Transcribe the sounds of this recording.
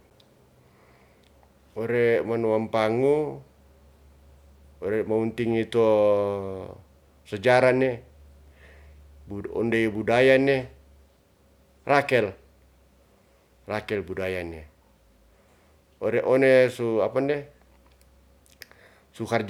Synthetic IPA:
ɔɾɛmanuampaŋu | ɔɾɛmaunt̪iŋit̪u | səd͡ʒaɾane | buɔ̰ndebudajane | rakɛl | rakɛlbudajane | ɔɾɛʔɔnesuapandɛ | sukar

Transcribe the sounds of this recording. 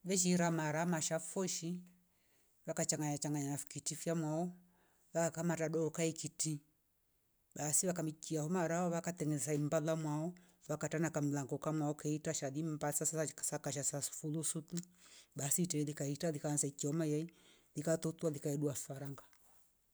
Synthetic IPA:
βɛʃ̬iɾamaɾamaʃafɔʃi | βakat͡ʃaŋɡaɲat͡ʃaŋɡaɲanafkitifjamwaɔ | βakakamataɗɔɔkaikiti | basiβakamit͡ʃiahɔmaɾaɔβakat̪ɛŋɛsaimbalamwaɔ | βakatanakam̩laŋɡɔkamwaɔkaitaʃaðimbasasasakaʃasasfulusutubasitɛlikaitalikansaikiɔmajai | likat̪ɔtualikaɛɗuafaɾaŋɡa

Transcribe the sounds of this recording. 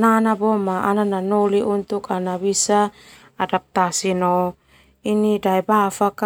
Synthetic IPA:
nanabomaʔanananoliʔunt̪ukanabisa | adap̚t̪asino | inidaibafak

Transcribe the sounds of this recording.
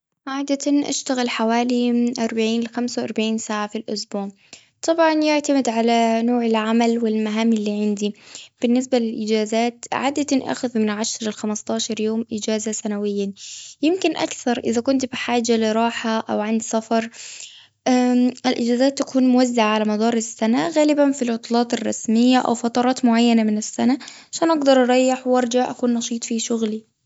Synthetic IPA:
ʕaːd̪aanʔa̰ʃt̪aɣɪlħawaːliʔɑɾˤbaʕiːnlɪxamsawʔɑɾˤbaʕiːnsaːʕafilʔʊsbuːʕ | t̪ˤɑbʕɑnjɪʕt̪amɪd̪ʕalanoːʕɪlʕamalwɪlmaɦaːmɪlːiːʕɪnd̪ib̥ɪnːɪs̬balɪlʔɪd͡ʒaːzaːt̪ʕa̰ːd̪at̪nʔa̰xʊðmɪnʕaʃɾˤɪlxamɪst̪ˤɑːʃɑɾˤjoːmʔɪd͡ʒaːzasanawɪjːajɪmkɪnʔa̰kθɑɾˤʔɪðakʊnt̪bɪħaːd͡ʒalɪɾˤɑːħaʔawʕand̪safɑɾˤ | ʔaːʔɪlʔɪd͡ʒaːzaːt̪ːakuːnmʊwazːaʕaʕalamɑd̪ˤɑːɾˤɪsːanaɣaːlɪbanfilʕʊt̪ˤlɑːt̪ˤɪrˤːɑ̰smɪjːaʔa̰wfɑt̪ˤɑɾˤɑːt̪mʊʕajːanamɪnɪsːanaʕaʃaːnʔɑɡd̪ɑɾˤʔɑɾˤɑjːɪħwʔɑɾˤd͡ʒaʕʔakuːnːɑʃiːt̪ˤfiʃʊɣli

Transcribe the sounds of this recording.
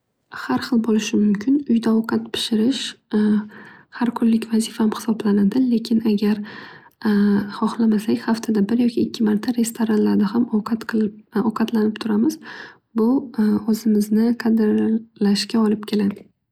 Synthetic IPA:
haɾχɨlˠbolɪʃɪmʊmkʲʰɪnʊjd̪aɒwqʰɑt̪pʰɪ̥ʃɪɾɪʃ | haɾkʰʊnlɪkʲvazifamχɪ̥sɒblanad̪ɪle̞kʲʰɪnaɡʲaɾ | χɒχlˠamaslakʲhaft̪ʰad̪abɪɾjɒkʲʰɪːkʲːɪmaɾt̪ʰaɾe̞st̪ʰoɾanlaɾd̪ahamoqʰɑt̪ɒqʰɑt̪lanɪpt̪ʰʊɾamɪz | bʊozɪmɪznɪqʰad̪ɾlaʃkʲaɒlɪp̚kʲʰe̞lad̪ɪ

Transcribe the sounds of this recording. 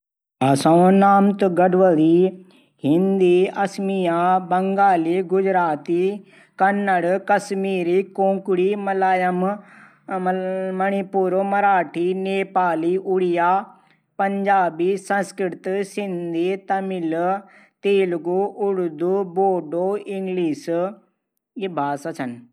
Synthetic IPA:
ɐsãːnaːmt̪ɡəɖʋəliː | ɦɪ̃nd̪iːɐsmijaːbɐŋɡaːliːɡʊd͡ʒɾaːt̪iː | kɐnːəɽkɐsmiːɾiːkõːŋkʊɽiːmlaːjəm | mɐɳ̃ipuːɾomɐɾaːʈʰiːneːpaːliːʔʊɽijaː | pɐɲd͡ʒaːbiːsə̃nskɾɾɪt̪sɪnd̪ʱiːt̪ɐmɪl | t̪eːlɡuʔʊɽd̪uboːɖoːɪŋɡliːs | ɪbʱaːsasʰən

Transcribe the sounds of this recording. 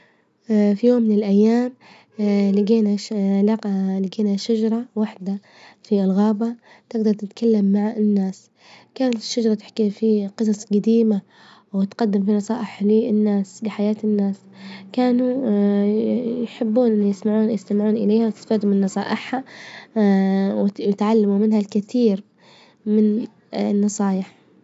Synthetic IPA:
fijoːmːɪnɪlʔajːaːm | lɪɡeːnalaqlɪɡeːnaʃad͡ʒɑɾˤɑwaħd̪a | fiʔɪlɣaːba | t̪ɪɡd̪ɑɾˤt̪ɪt̪kalːamːaʕɪnːaːs | kaːnat̪ɪ̥ʃːad͡ʒɑɾˤɑt̪ɪ̥ħkifiqɨs̬ˤɑsˤɡad̪iːma | wɪt̪qɑd̪ːɪmfinɑsˤɑːʔɪħliːɪnːaːsbɪħajaːt̪ɪnːaːs | kaːnu | jħɪbːuːnʔɪnːijɪsmɪʕuːnjɪst̪amɪʕuːnʔɪlejːhamt̪ɪ̥faːd̪umɪnːɑsˤɑ̰ːʔɪħa | wɪɪt̪ʕalːamumɪnhalkɪθiːɾ | mɪn | nːɑsˤɑːjɪħ

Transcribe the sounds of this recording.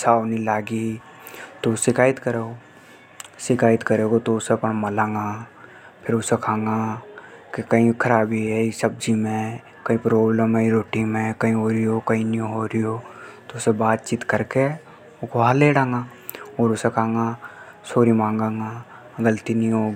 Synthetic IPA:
saːwnĩlaːɡi | t̪osɪkaːɪt̪kəɾeːɡo | sɪkaːɪt̪kəɾeːɡot̪oʊsepənmɐlãːŋɡa | pʰɪɾʊsekʰãːŋɡã | kekɐĩkʰəɾaːbiɦɛisəb̚d͡ʒimẽ | kɐĩpɾoːbləmɛɾoːʈimẽkɐĩɦoːɾiokĩniõɦoɾioːt̪oʊsebaːt̪̚t͡ʃiːt̪kəɾke | ʊkʰoɦaleːɽãːŋɡã | ɔːɾʊsekʰaːŋɡãsoːɾimãːŋɡãːŋa | ɡəlt̪inĩɦoːɡ

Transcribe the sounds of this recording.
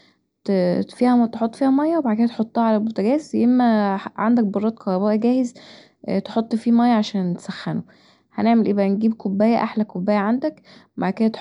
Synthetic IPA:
t̪fiːhæt̪eħot̪ˤːfiːhæmɑjːɑwebaʕd̪̚kenæt̪ħot̪ˤːɑːʕalælbot̪æɡæːsjemːæʕa̰nd̪æk̚bɑrˤːɑːt̪̚kʰɑɾˤɑbæːʔæɡæːhez | t̪eħot̪ˤːfiːmɑjːɑʕaʃæːnt̪sæxːæno | hæ̰neʕmelʔeːbʔænɡiːb̚kobːæːjæʔaħlækobːæːjæʕand̪ækmaʕkæhæt̪

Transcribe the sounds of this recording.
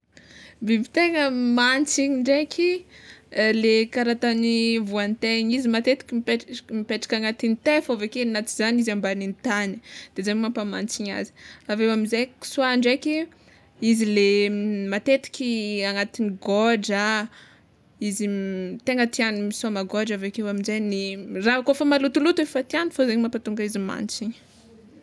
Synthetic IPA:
vivit̪eŋəmant͡siɲiɳɖ͡ʐekʲʰi | lekaɾat̪anivuant̪eɲizimat̪et̪i̥kʲimipekmipeʈ͡ʂḁkʲaŋat̪init̪efovekenat̪i̥zanizambanint̪ani̥d̪̥ezamampamant͡siɲa̰zi̥avewamizejki̥suaɳɖ͡ʐekʲi | izilemat̪et̪i̥kʲiaŋat̪iniɡɔɖ͡ʐa | izit̪eŋɡət̪ianimisamaɡoɖ͡ʐavekewaminzejnirakofamalut̪ulut̪uefat̪ianufazeɲmampat̪uŋɡaizima̰nt͡siɲə̥

